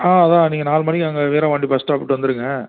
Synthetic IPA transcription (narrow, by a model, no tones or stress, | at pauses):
aːɐðãːniːŋɡɐnaːlmɐnɪkɐŋɡɐʋeːɾɐ̃ːʋɐːɳɖɪpɐsʈaːpɪʈːɯʋɐnd̪ɯɾɯŋɡɐ